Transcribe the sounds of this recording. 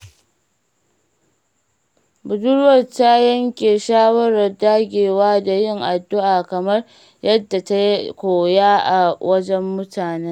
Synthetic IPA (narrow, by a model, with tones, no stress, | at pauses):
bʊ˨dʊ˦ɽwɐ˨ta˦jɐ˦ŋkʲeː˨ʃaː˦wɐ˦ɾɐ˨rdaː˦ɡʲeː˨waː˦da˨jɪ˦˨ŋʔa˨dːʊ˦ʔaː˨kɐ˨mɐ˦r | jɐ˦dːa˨ta˦jkʷoː˨jaː˦ʔa˨wɐ˦d͡ʒɛ˦mːʊ˦tʰaː˨neː˦